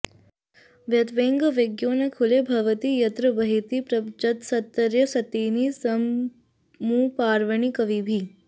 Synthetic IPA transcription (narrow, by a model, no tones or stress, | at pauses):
ʋjɐt̪ʋeːŋɡɐʋeɡjoːnɐkʰulebʱɐʋɐt̪ijɐt̪ɾɐbɐɦit̪ipɾɐd͡ʒɐt̪sɐt̪ːɐɾjɐsɐt̪iːnisɐmː | uːpaːɾʋɐɳikɐʋibʱi